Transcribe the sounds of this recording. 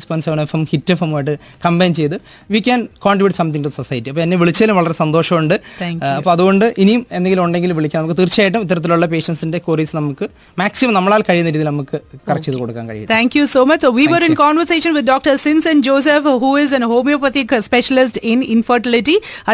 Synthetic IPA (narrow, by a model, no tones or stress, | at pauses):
spɐnsɐʋɐɳefɐmhitːɨfɐmaːjʈ̬ːɨ | kɐmbɐjnt͡ɕe̞jt̪ɨ | ʋiːkʲːaːnkoːɳʈribjuʈːsɐmt̪iŋʈuðɐsosɐjɐtːiɐpːoːenːeʋiɭit͡ɕːɐːlumʋɐɭɐresɐnd̪o̞ːʂɐmuɳɖɨŋɐpːoɐðuɣo̞ɳɖɨʔinijumend̪eŋɡilumuɳɖe̞ŋɡilumʋiɭik̬ʲːnɐmkːɨt̪irt͡ɕːijaːjiʈ̬ːumit̪ːɐɾɐt̪ːiluɭːɐpe̞ːʂɐnsinde̞koːrisnɐmukːɨ | maːksimɐmnɐmːɐɭaːlkɐɻijunːɐɾiːðilnɐmukːɨkɐrɐt͡ɕːejðɨkoɽukːa̰ːnkɐ̰ɻḭj̰ḭːt̪ʰæːŋkjusoːmɐt͡ɕːsoːʋiːʋɐɾɪ̃nkaːnʋɐɾseːʂɐnʋɪd̪̚doːk̚ʈɐɾsinsɐ̃nd͡ʑoːs̬efhuːɪzɐnhoːmijopɐt̪ikspeʃɐlɪs̬ʈɪnɪnfɐɾʈɪliʈːiɐ